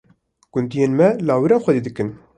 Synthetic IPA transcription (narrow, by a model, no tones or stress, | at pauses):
ɡ̥ʊnd̪ijenmɛlaːwiɾɑːnxʷɛd̪iːd̪ɨkɨn